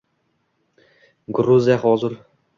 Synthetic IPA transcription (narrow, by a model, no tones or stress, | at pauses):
ɡɾuzijaχɔːzɪɾ